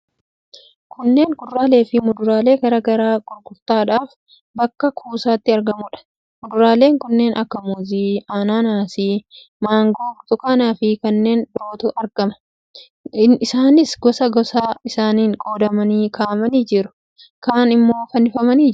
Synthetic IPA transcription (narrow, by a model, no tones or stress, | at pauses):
kʰʊnːe̞ːŋkʊrːaːle̞ːfɪmʊd̪ʊɾaːle̞ːɡɐɾɐɡɐɾaːkʼʊɾkʊɾt̪aːᶑaːf | bɐkːɐkʰuːsaːt̪ːɪɐɾɡɐmʊᶑɐ̥ | mʊd̪ʊɾaːle̞ːŋkʊnːe̞ːnʔɐkːɐmuziːaːnaːnaːsiː | maːŋɡoːt̪ʊkɐnaːfɪkɐnːe̞ːndɾo̞ːt̪ʊʔɐɾɡɐmɐ̥ | ɪsaːnɪsɡɔsɐɡɔsaːɪsaːniːŋkʼo̞ːd̪ɐmɐniːkʰaːʔɐmɐniːd͡ʒɪɾʊ̥ | kaːnɪmːo̞ːfɐnɪfɐmɐniː